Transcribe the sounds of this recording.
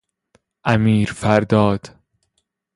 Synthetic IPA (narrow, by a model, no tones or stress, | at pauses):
ʔæmiːɾfæɾd̪ɒːd̪̥